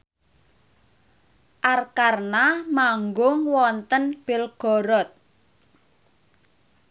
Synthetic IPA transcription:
ʔarkarnamaŋɡʊŋwɔnt̪ənb̥ɪ̤lɡ̥ɔ̤ɾɔt̪̚

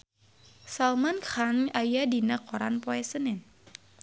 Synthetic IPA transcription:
salmankχaŋajadinəkɔɾa̰npɔɛsənɪn

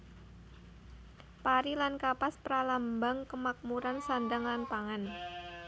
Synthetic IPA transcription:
paɾilankapaspəɾalambaŋkəmak̚muɾansandaŋlanpaŋan

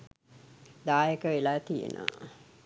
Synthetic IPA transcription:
d̪aːjəkəʋelaːt̪ijḛn̰ː

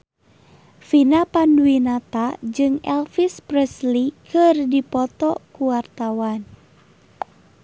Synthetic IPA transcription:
finapanduinat̪ad͡ʒɨŋɛ̰lfisprɛslikʰɨrdipɔt̪ɔkuwart̪awan

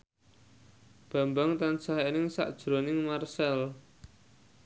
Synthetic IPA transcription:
b̥ä̤mbaŋt̪ansaɦenɪŋsa̰ʔd̥ʒ̥ɾonɪŋmarsɛl

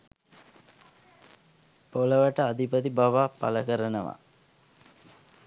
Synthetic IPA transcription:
poləʋəʈəad̪ipət̪ibaʋapa̰ləkəɾənəʋa̰

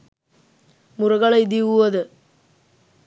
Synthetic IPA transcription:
mʊrɐɣɐɭɐɪd̪iʋuʋɐðɯ

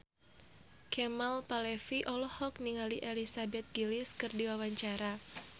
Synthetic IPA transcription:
kʰɛmalpalɛfiʔɔlɔhɔk̚niŋaliʔelisabɛt̪̚ɡ̥ilɪskɨrdiwawaɲt͡ʃaɾa

